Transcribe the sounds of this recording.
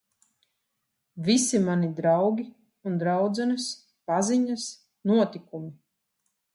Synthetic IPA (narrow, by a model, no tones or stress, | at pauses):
visimanid̪ɾawɡʲi | und̪ɾawd̪zɛnɨs | paziɲas | nuɔt̪ikumi